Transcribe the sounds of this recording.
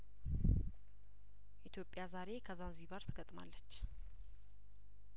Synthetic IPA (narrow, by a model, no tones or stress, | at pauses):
ʔit̪ʰjo̞pʼːjazaɾe̞kʰəzanzibaɾt̪ʰɨɡət̪ʼmalːət͡ʃː